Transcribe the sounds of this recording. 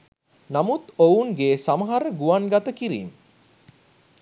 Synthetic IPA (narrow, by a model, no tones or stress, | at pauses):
namut̪ounɡeːsaməɦaɾəɡuʋaŋɡat̪əkiɾḭn